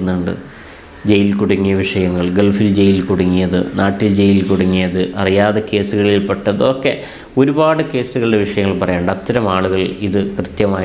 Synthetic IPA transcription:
nːuɳɖɨ̰ | d͡ʑejilkuɽuŋːijɐʋiʂɐjɐŋːɐɭɡeɭfild͡ʑe̞jilkuɽuŋːijɐðɨ̰naːʈːild͡ʑejilkuɽuŋːijɐðɨʔɐrijaːðeke̞ːsuɣɐɭilpɐʈːɐðɨokːe̞ | o̞ɾubaːɽɨke̞ːsuɣɐɭɨɽe̞ʋiʂɐjɐŋːɐɭpɐrɐjaːɳɖɐt̪ːɐɾɐmaːɭuɣɐɭiðɨkrɨt̪jɐmaːj

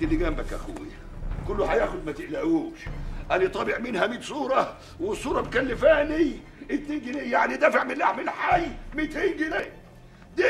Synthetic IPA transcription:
d̪ilːiɡæmbækʔæ̰xuwjæ | kʊlːʊħajæːxʊd̪mæt̪ɪʔlæʔuːʃʔænit̪ˤɑbɪʕmɪnhæmiːt̪sˤuːɾˤɑ | wɪsˤuːɾˤɑbkælːɪfæːni | ɪt̪neːnɡɪnejaʕnid̪æːfeʕmɪlʔaħmɪlħajmit̪eːnɡɪneː | d̪i

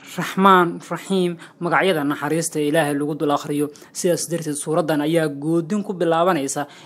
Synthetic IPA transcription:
rɑħmaːnrɑħiːmːɐɣɑʕjɐðɐnɑħɑɾiːst̪ʰɐɪlaːɦɛjlɐɣʊd̪ʊlɐχrɪjɔ | sɪðaːsɐd̪ɐrt̪ʰɛːd̪suːɾɐd̪ːɐnɐjaːɡɔːd̪ɪŋkʰʊbɪlaːβɐnɛjsa

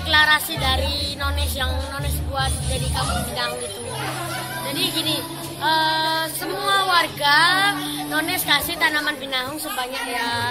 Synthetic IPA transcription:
eklaɾasidaɾinɔnɪsjaŋnɔnɪsbuat̪d͡ʒadikamʊŋbinaɦʊŋit̪u | d͡ʒadiɡini | ʔəsəmuawarɡa | nɔnɛskasɪht̪anamanbinaɦʊŋsəbaɲak̚ja

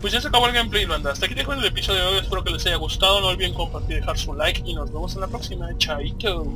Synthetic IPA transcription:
pwezʝas̬eakaβo̞elɣempleiloand̪aast̪eakiðexaenelepiso̞ðjojespeɾo̞ke̞lesaʝaɣust̪aðono̞elβjeŋko̞mpaɾt̪iɾðexaɾsulajkino̞zβe̞mo̞senlapɾo̞ksimat͡ʃait̪o

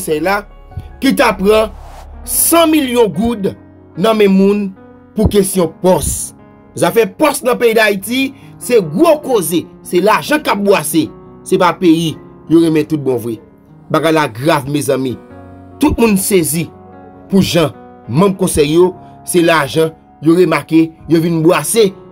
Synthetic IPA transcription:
sɛjla | kit̬apʁʌ̃ | sãmiljɔ̃ɡud | nɐ̃mɛ̃mːũn | pukesjɔ̃pɔs | zafɛpɔsnɐ̃peidaiti | sɛɡʁokozesɛlaʒãkap̚bwase | sepapeji | joʁemɛ̃t̪ut̚bɔ̃vwɛ | baɡajlaɡʁavmezãmĩ | t̪ut̪̚mũnsezipuʒã | mʌ̃mkɔ̃sɛjːo | selaʒʌ̃ | joʁemakejovinbwase

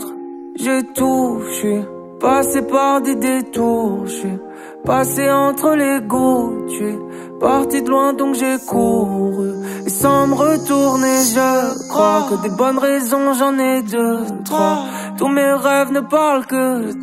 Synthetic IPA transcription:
ʒet̪uʃɥi | pasepaʁd̪ed̪et̪uʁʃɥi | paseɑ̃t̪χəleɡot̪ɥɛ | paʁt̪id̪əlwɛ̃d̪ɔ̃kʒekuʁyesɑ̃məʁət̪uʁneʒəkχwakəd̪ebɔnʁɛzɔ̃ʒɑ̃nɛd̪ət̪χa | t̪umeʁɛvnəpaʁlkə

